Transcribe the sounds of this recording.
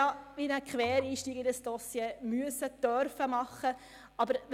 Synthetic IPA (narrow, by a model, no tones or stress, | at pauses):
ɑʋinəkʰʋɛːɾiːʃtiːɡɪdəsd̥ɔsjemyəsəd̥̪œɾfəmɑχːə | ɑbəɾ